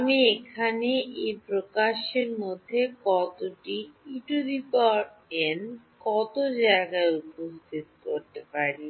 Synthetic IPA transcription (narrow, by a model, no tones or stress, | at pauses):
amiekʰaneʔejpɾokaʃeɾmod̪ʱːekɔt̪oʈiiʈuɾipɔʈ | en | kɔt̪od͡ʑaeɡaeupost̪ʰit̪koɾt̪epaɾi